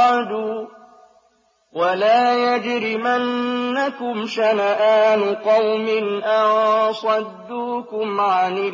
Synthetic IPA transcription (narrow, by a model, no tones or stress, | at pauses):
d̪uː | walaːjad͡ʒɾɪmanːakʊmʃanaʔaːnʊqɑwmɪnʔɑʕsˤɑd̪ːuːkʊmʕanɪ